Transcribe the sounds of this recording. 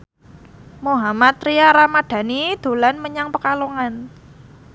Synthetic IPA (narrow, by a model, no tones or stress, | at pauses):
moɦamat̪ɾiaɾamaɖ̥ä̤nid̪̥o̤lanməɲaŋpəkaloŋan